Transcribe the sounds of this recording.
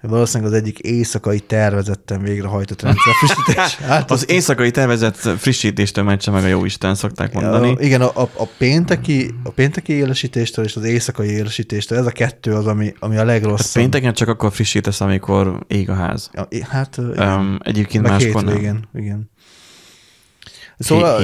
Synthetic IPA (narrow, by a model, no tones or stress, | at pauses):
ʋɒloːsiːnɛɡɒzɛɟːikeːsɒkɒit̪ɛrvɛzɛt̪ːɛɱveːɡrɛɦɒjt̪o̞t̪rɛnɛfriʃit̪eʃaːt̪ːɒzeːsɒkɒit̪ɛrvɛzɛt̪friʃːiːt̪eːʃt̪øːmɛt͡ʃːɛmɛɡɒjo̰ːiʃt̪aːnso̞k̚t̪a̰ːkmo̞̰nd̪ɒniʔiɡɛnɒʔɒpeːnt̪ɛkiɒpeːnt̪ɛkieːlɛʃiːt̪eːʃt̪øːleːʃɒzeːsɒkɒjieːlɛʃiːt̪eːʃt̪øːlɛzɒkɛt̪ːøːɒzɒmiɒmiɒlɛɡro̞sat̪ːpeːnt̪ɛkɛnt͡ʃɒkɒkːorfriʃːiːt̪ɛsɒmikʰo̞rḛːɡɒɦa̰ːz̥hat̪iɛ̰ɟeːp̚keːnmaːʃːoiɡɛniɡɛn | soː